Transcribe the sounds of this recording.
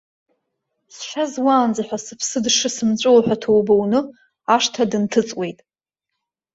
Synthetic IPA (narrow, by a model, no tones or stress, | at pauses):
sħazwaːnd͡zaħʷᶣasɨpʰsɨdʂɨsɨmt͡ɕʷʼowħʷᶣatʰowbownɨ | aʂtʰadɨntʰɨt͡sʼwe̞jtʼ